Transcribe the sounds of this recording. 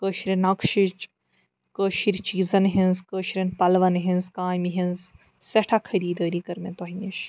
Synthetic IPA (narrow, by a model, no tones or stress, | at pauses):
kəːʃɾʲɐnɐkʃit͡ʃ | kəːʃiɾʲt͡ʃiːzɐnɦinzkəːʃɾʲɐnpɐlʋɐnɦinzkaːjmiɦinz | seʈʰakʰɐɾiːd̪əːɾikɐɾmet̪oɦiniʃ